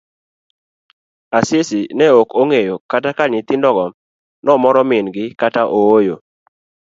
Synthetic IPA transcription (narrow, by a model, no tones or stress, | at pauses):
asesɪnɛokoŋejokatakaɲɪt̪ɪndɔɡɔm | nɔmɔɾɔmɪnɡɪkataʔoojo